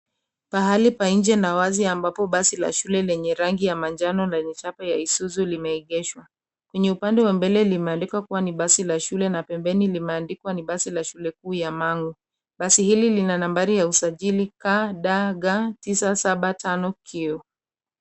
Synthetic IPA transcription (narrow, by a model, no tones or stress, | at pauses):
paɦalipaĩnd͡ʒɛnawaziambapɔɓasila̰ʃulɛlɛɲɛɾaŋɡijamand͡ʒanɔlɛɲɛt͡ʃapajaisuzulimɛiɠɛʃwa | kwɛɲɛupandɛwambɛlɛlimɛandikwakuwaniɓasilaʃulɛnapɛmbɛnilimɛandikwaniɓasilaʃulɛk̚uːjamaŋɡu | ɓasihililinanambaɾijausaʄilikaɗaɡatisasaɓatanɔkʰiɔ